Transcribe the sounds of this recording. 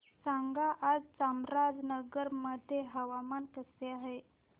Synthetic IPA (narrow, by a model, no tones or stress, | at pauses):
saŋɡaʔːd͡zt͡samɾad͡znəɡəɾməd̪ʱːjeɦəʋamankəseaɦe